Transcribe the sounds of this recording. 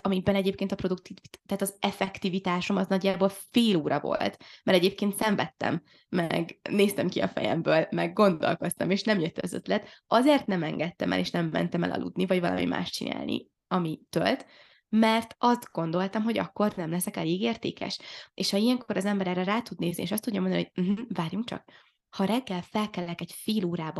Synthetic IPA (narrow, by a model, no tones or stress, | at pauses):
ɒmibɛnɛɟeːpkeːnt̪ɒpro̞d̪uk̚t̪it̪aːt̪ɒzɛfɛkt̪ivit̪aːʃo̞mɒznɒɟːaːboːlfeːloːɾɒvo̞̰lt̪mɛɾɛɟeːp̚keːnt̪sɛɱvɛt̪ːɛ̰mː | ɛɡneːst̪ɛmkiɒ̰fɛ̰jɛ̰mbøːlmɛɡːo̞nd̪o̞̰lko̞st̪ɒmeːʃnɛmjøt̪ːøzø̰t̪lɛt̪ɒzeːrt̪nɛmɛŋɡɛt̪ːɛmʔɛ̰leːʃnɛmːɛ̰nt̪ɛmɛ̰lʔɒ̰lʔṵd̪nivɒɟvɒlɒ̰mḭma̰ːʃt͡ʃina̰ːlnʔḭ | ɒmit̪ølt̪ | mɛrt̪ɒst̪ɡ̥o̞nd̪o̞lt̪ɒmɦo̞ɟɒ̰kːo̞rnɛmlɛsɛkɛleːɡeːrt̪ḛːkɛ̰ʃeːʃhɒijɛŋkoɾɒzɛmbɛɾɛrɛɾaːt̪ud̪neːznieːʃɒst̪udɟːɒmond̪nihojm̩ɦm̩vaːrjuŋkt͡ʃɒ̰k̚ | hɒɾɛɡːɛlfɛlkɛlːɛkɛɟfeːloːɾaːb